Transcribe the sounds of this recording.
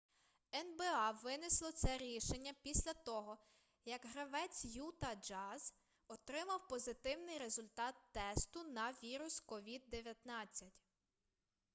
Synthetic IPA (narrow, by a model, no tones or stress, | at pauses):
ɛnbɛɑʋɪnɪslˠɔt̪sɛɾʲiʃenʲːɐpʲisʲlʲɐt̪ɔɦɔ | jɐɡɦɾɐʋɛt͡sʲjut̪ɐd͡ʒɑz | ɔt̪ɾɪmɐwpɔzɪt̪ɪwnɪjɾe̞zʊlʲt̪ɑt̪ːɛst̪ʊnɐʋʲiɾʊskɔʋʲid̪ːeʋʲjɐt̪nɑt͡sʲːɐtʲ